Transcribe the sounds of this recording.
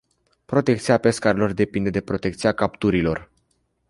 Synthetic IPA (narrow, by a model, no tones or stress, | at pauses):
pɾo̞t̪e̞k̚t̪siape̞skaɾelo̞rd̪e̞pind̪e̞d̪e̞pɾo̞t̪e̞k̚t̪siakapt̪uɾilo̞r